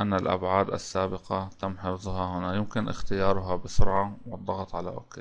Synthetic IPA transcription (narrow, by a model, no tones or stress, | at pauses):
ʔanːalʔa̰bʕaːd̪ɪ̰sːaːbɪqɑt̪amːħɪfzˤhahʊnajɪmkɪnʔɪ̰xt̪ɪjɑːɾˤʊɦabɪsʊɾʕɑwɨd̪ˤːɑɣɑt̪ˤʕala̰ʔo̰ːkːeː